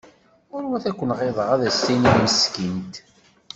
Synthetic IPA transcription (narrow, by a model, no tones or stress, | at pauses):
ʊɾwæθækʷːənʁeðˤəʁæðæsːinijməskint̪